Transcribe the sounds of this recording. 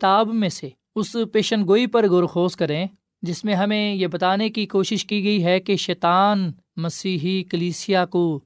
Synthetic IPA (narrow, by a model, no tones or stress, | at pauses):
kɪt̪aːbmẽse | ʊspeːʃənɡoːipɐɾɡoɾxoːskɐɾẽː | d͡ʒɪsmẽɦɐmẽjebɐt̪aːnekikoːʃɪʃkiɡɐiɦɛkeʃɛːt̪aːn | mɐsiːɦikəliːsijako